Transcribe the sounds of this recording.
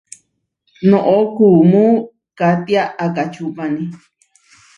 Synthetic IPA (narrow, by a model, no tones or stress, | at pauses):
nõʔokumũ | kat̪iaʔakat͡ʃupãnĩ